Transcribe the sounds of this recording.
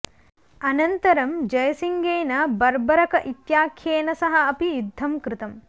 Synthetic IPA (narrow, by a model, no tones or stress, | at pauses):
ɐnɐnt̪ɐɾɐmd͡ʒɐjɐsiŋɡeːnɐbɐɾbɐɾɐkɐʔit̪jaːkʰjeːnɐsɐɦɐɐpijud̪ʱːɐmkɾɪt̪ɐm